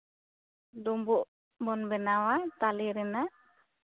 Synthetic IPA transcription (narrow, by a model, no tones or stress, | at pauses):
d̪ɔmbɔʔ | bɔnbɛnawat̪aliɾɛna